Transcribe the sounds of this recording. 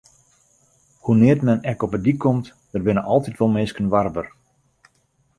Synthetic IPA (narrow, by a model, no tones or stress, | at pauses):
hunɪərtmɛnɛkɔpədikʰːɔmt | d̥əd̚bɪnəʔɑlˠtitʋɔlˠmɪskənʋarbər